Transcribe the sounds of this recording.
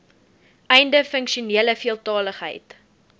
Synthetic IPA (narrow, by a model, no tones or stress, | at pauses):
ʔɛjndəfəŋkʃiuniələfiəlˠtɑːləχɦə̰jt